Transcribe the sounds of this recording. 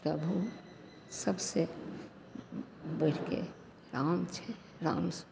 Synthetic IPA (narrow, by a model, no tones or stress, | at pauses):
pɾəbʱu | səbse | bəɾkḛ | ɾaːmt͡ʃʰɛ | ɾã̰ːms